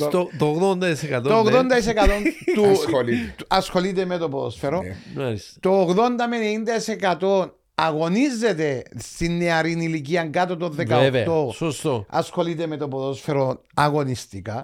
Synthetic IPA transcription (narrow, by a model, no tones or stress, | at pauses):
t̪ot̪oɣðond̪ɐisekɐt̪oooɣðond̪ɐis̬ekɐt̪ont̪uoliɐsxo̞lit̪emet̪o̞pɾðo̰sfeɾomɐɾist̪oːɣðo̞nd̪ɐmenenind̪ɐisekɐt̪o̞n | ɐɣo̞nizːet̪e̞st̪inːeɐɾinilic̬iɐŋɡɐt̪ot̪oðekɐeveɐt̪osost̪oɐ̰sxo̞lit̪emet̪opoðosfeɾonɐɣo̞nist̪ikɐ